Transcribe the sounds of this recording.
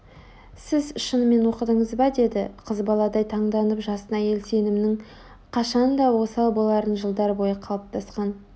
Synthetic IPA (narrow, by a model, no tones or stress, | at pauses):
sɪzʃənəme̞nwo̞qəd̪əɴəzbɑd̪e̞d̪ɪqʰəzbɑlˠɑd̪ɑjt̪ʰɑɴd̪ɑnəpʒɑsənɑje̞lse̞nɪmnɪŋ | qʰɑʃɑnd̪ɑwo̞sɑlˠbolˠɑɾənʒəlˠd̪ɑɾbo̞jəqʰɑlˠəp̚t̪ʰɑsqɑn